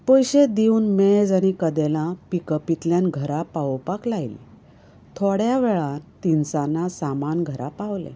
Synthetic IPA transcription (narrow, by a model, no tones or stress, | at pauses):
pojɕed̪iuːnmed͡zaɽ̃ikəd̪ɛlãpikəpit̪ljãnɡʱəɾapawpaklajlḭ | t̪ʰoɽjaʋɛɭãnt̪insanasamanɡʱəɾapaʋlḛ̃